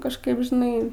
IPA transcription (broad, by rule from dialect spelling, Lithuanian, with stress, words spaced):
kɐʃˈkɐɪp ʒʲɪˈnɐɪ